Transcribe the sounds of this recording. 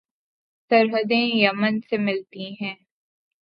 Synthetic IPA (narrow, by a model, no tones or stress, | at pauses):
sɐɾɦəd̪ẽjɐmənsemɪlt̪iɦɛ̃ː